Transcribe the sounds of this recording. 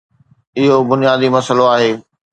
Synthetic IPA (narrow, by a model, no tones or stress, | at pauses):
ɪɦobʊnijaːd̪imɐsəloaːɦeː